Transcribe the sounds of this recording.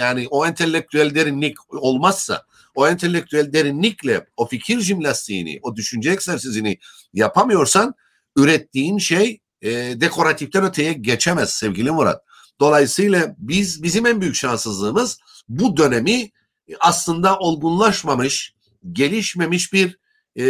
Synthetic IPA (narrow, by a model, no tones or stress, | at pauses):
jaːniʔo̞ɛnt̪ʰelʲːɛk̚t̪ʰyælʲd̪eɾinlʲico̞lˠmasːa̰ | o̞ɛnt̪ʰelʲːɛk̚t̪ʰyælʲd̪eɾinlʲiclʲɛo̞ficʰiɾʒimlʲast̪ʰḭj̰ːnḭʔo̞d̪yʃynd͡ʒɛɛksæɾsizini | japʰamɯjo̞ɾsan | yɾɛt̪ʰːiːnʃej | d̪e̞kʰo̞ɾat̪ʰift̪ænø̞t̪ʰejɛɟet͡ʃʰemæz̥sɛvɟilʲimuɾa̰t̪̚ | d̪̥o̞lˠajɯsɯjlˠabizbizimænbyjycʃansɯzlˠɯːmɯz | bud̪ø̞nemi | aslˠɯnd̪aʔo̞lˠɡunlˠaʃmamɯʃ | ɟe̞lʲiʃme̞miʃbiɾ